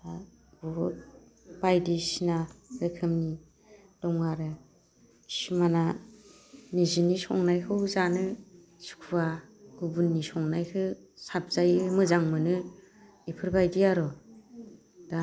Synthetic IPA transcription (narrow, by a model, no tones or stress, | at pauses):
a | bɔut̚ | b̥ajdisinaɾɯkʰɯmni | d̥ɔŋaɾɯ | smana | nizinisɔ̰ŋnajkʰɯwzanɯ | su̥kʰuwaɡ̥ubunːisɔŋnajkʰɯsap̚z̥ajɯmɯzaŋmɯnɯ | ipʰɯɾbajdiaɾɔ | d̥a